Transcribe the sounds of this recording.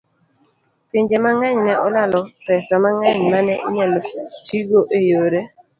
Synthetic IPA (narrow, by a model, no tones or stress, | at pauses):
pɪɲd͡ʒemaŋɛɲnɛʔɔlalɔpɛsamaŋɛɲmanɛʔiɲɛlotiɡoʔejoɾe